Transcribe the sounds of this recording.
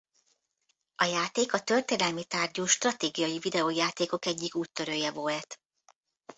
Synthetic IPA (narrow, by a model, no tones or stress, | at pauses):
ɒjaːt̪eːkɒt̪ø̞rt̪eːnɛlmit̪aːrɟoːʃt̪rɒt̪eːɡijɒjivid̪ɛoːjaːt̪eːko̞kɛɟːikuːt̪ːø̞ɾøːjɛvo̞lt̪